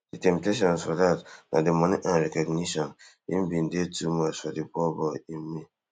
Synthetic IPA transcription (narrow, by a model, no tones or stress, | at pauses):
d̥itɛ̃mp̚teʃ̬ɔ̃nsfɔdatnʔa̰demɔniʔãnɾɛkɔɡniʃɔ̃n | ḭmbĩndetumasfɔdibɔbɔimmːi